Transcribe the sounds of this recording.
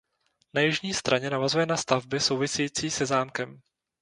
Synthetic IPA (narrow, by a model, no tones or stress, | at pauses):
najɪʒɲiːst̪ɾʔaɲɛnavazujɛnast̪avbɪso̞wvɪsɛjiːt͡siːsɛzaːmkɛm